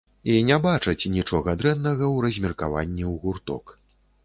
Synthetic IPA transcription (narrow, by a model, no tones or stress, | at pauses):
inʲɛbat͡ʂɐt͡sʲnʲit͡ʂɔɣɐd̪ɾɛnːɐɣɐwrɐzʲmʲirka̰va̰nʲːiwɣurt̪ɔ̰k